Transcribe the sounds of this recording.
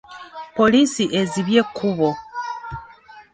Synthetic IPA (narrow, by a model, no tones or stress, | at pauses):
po̞lisiʔeziβje̞kʰuβo̞